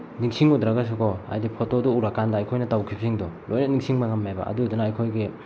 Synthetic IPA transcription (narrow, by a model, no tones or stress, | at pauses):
niŋsiŋudɾaɡas̬ukʰɔa̰jdipʰotoduːɾakandaːjkʰojnɐtawkʰipsiŋdɔlojnɐniŋsiŋbɐŋameba̰ʔɐ̰dudunaːjkʰojɡi